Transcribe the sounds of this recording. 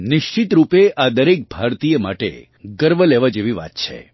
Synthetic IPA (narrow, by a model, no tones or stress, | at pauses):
nɪʃt͡ʃit̪ɾupeʔad̪əɾek̚bʱaɾt̪ijəma̰ʈḛ | ɡəɾbʱəleʋad͡ʒeʋiʋa̰t̪t͡ʃʰḛ